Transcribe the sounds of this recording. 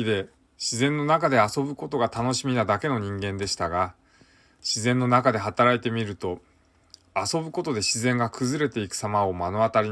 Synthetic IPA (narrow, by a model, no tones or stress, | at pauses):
id̪e̞ | ɕizẽ̞nːo̞nakad̪e̞aso̞bɯ̟ko̞t̪o̞ɡat̪ano̞ɕimʲinad̪ake̞no̞ɲ̟ĩŋɡẽ̞nd̪e̞ɕi̥t̪aɡa | ɕizẽ̞nːo̞nakad̪e̞ɦat̪aɾait̪e̞mʲiɾɯ̟t̪o̞ | aso̞bɯ̟ko̞t̪o̞d̪e̞ɕizẽ̞ŋɡakʰɯ̟zɨɾe̞t̪e̞ikɯ̟̥samao̞mano̞at̪aɾʲi